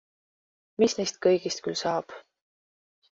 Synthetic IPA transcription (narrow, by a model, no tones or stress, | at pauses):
misnejst̪̚kɤjɡ̥ist̪̚kylsɑːb̥